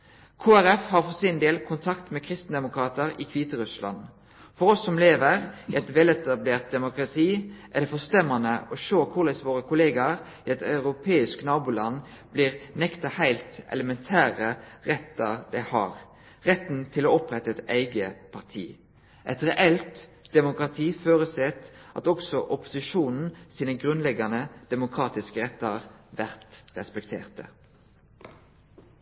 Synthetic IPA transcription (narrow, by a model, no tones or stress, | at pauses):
kʰoːæɾɛfhɑʁfɔsɪnd̪eːlkʰʊnt̪ʰɑkt̪mɛkʰʁɪst̪n̩d̪ɛmʊkɾɑːt̪əɾɪkʰʋiːt̪əʁʉslɑ̰n | fɔɾɔsːɔmleːʋəʁɛt̪ʋɛlɛt̪ɑbleːʁt̪̚d̪ɛmʊkɾɑt̪ʰiːʔæd̪ɛfɔst̪ɛmːɑnəʔɔʃoːkʰʊlɛsʋoːɾəkʰʊleːɡɑɾ | ɛt̪ɑʉɾʊpʰeːɪsknɑːbuːlɑnː | b̥liːʁnɛkt̪ɑhæɪlt̪ʔɛ̰ləmɛnt̪ʰæːʁəʁɛt̪ːəʁd̪æɪhɑʁ | ʁɛt̪nt̪ʰɪloːɔpʁɛt̪ːəɛt̪æɪɡəpʰɑʁt̪ʰḭː | ʔɛt̪ʁɛʔɛlt̪d̪̥ɛmʊkʁɑt̪ʰiːføːɾəsɛt̪ʔɑ̰t̪ɔksɔʔɔpʊ̥sɪʃuːnn̩siːnəɡʁʉnlɛɡɑnəd̪̥ɛmʊkʰʁɑːt̪ɪskəʁɛt̪ːəʁʋæʁt̪ʁɛspɛkt̪ʰḛːʁt̪ə̰